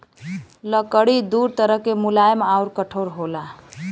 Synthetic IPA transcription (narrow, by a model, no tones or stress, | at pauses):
ləkəɽid̪uɾt̪əɾəɦkemulajmauɾkəʈʰoɾɦola